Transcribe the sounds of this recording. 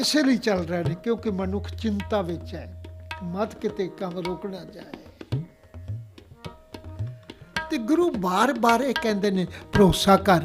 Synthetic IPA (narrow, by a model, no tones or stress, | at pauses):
ɪseːliːt͡ʃəlɾaːneːkjõːkɪmənʊkʰt͡ʃɪnt̪aːʋɪt͡ʃɛːmət̪kɪt̪eːkəmɾoːkɽaːt͡ʃaːe | t̪eːɡʊɾuːbaːɾbaːɾeːkɛ̃ːnd̪eːneːpəɾoːsaːkəɾ